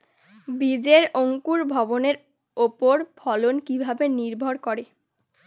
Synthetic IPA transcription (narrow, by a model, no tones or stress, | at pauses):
bid͡ʑeɾoŋkuɾbʱɔboneɾ | opoɾpʰɔlonkibʱabeniɾbʱoɾkɔɾe